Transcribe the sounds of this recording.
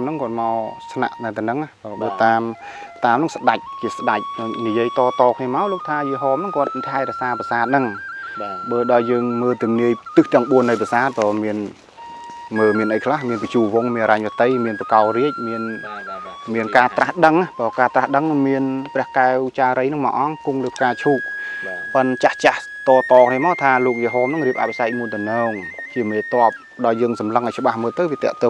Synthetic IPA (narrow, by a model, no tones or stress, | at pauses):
mnɨŋkŏət̪̚maɔsna̰ʔnaːt̪ɛnɨŋahpːɓəːt̪aːm | t̪aːmnɨŋsɗac̚t͡ɕiəsɗac̚nijiəjt̪ɑːt̪ɑːkʰniəmaɔloːk̚t̪ʰaːjiəɦɔːmnɨŋkŏət̪̚t̪ʰaɛɾɛ̆əʔsaːpasaːt̪̚nɨŋ | ɓəːɗaɔjjəːŋməːlt̪umniəjt̪ɨht̪ɛ̆əŋɓuənːɨjpasaːt̪̚pɔːmiən | məːmiənʔəjkʰlahmiənpət͡ɕuːʋʊŋmiənaɾaɲʋət̪ɨjmiənprakaɔriəc̚miən | miənkaːt̪rahɗəŋːahpɔːkaːt̪rahɗəŋmiənprɛ̆əhkaɛwt͡ɕaːɾəjnɨŋma̰ːʔɑŋkuŋləːkaːt͡ɕʰuːk̚pənt͡ɕaht͡ɕah | t̪ɑːt̪ɑːkʰniəmaːwt̪ʰaːloːk̚jəɦoːmnɨŋriəp̚ʔa̰t̪pʰisak̚muənt̪ɨnɔːŋt͡ɕiəmeːt̪ŏəp̚ | ɗaɔjːəːŋsɑmləŋʔɔjt͡ɕə̆ɓahməːlt̪ɨwʋiət̪ɛ̆əʔt̪oː